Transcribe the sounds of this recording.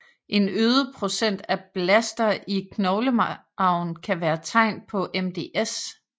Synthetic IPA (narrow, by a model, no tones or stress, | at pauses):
ʔe̝nøːð̞ˠəpʰʁo̝sen̰d̥æb̥læsd̥ɐʔikʰnɒʊlə | ɑ̈ʊ̰n̩kʰæʋæːɐt͡sʰɑ̈ɪ̰n̚pʰɒ̽ʔemd̥e̝ːʔes